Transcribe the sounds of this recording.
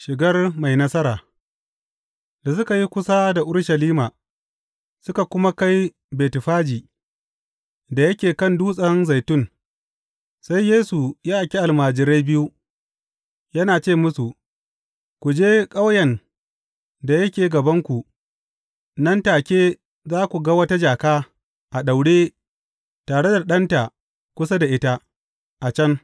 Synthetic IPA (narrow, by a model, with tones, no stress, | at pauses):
ʃɪ˨ɡɐ˦rma˨jnɐ˦sɐ˦ɾaː˨ | da˨sʊ˦ka˨ji˦kʷʊ˦sa˦da˨ʔʊ˦ɽʃɐ˨liː˦maː˨ | sʊ˦ka˨kʷʊ˦ma˦ka˦j | beː˨tɪ˨ɸaː˦d͡ʒiː˨ | da˨jɐ˦kʲeː˨kɐ˦˨nduː˦sʼɐ˦nza˨jtʊ˦˨ŋ | sa˦jːeː˦su˨jaː˦ʔa˨kʲi˦ʔa˨lmaː˨d͡ʒɪ˨ɾa˦jbɪ˦ju˦ | jɐ˦naː˨t͡ʃeː˦˨mʊ˦su˨ʔ | kʷu˨d͡ʒeː˦kʼa˦wjɐ˨n | da˨jɐ˦kʲeː˨ɡɐ˨bɐ˦ŋkʷu˨ | nɐ˦ntaː˨kʲeː˦ | zaː˦kʷu˨ɡa˦wɐ˦ta˦d͡ʒaː˨kaː˦ | ʔa˨ɗa˨wɽeː˦ | taː˨ɽe˦da˨ɗɐ˦nta˨ | kʷʊ˦s̬a˦da˨ʔɪ˦ta˦ | ʔa˨t͡ʃɐ˦ŋ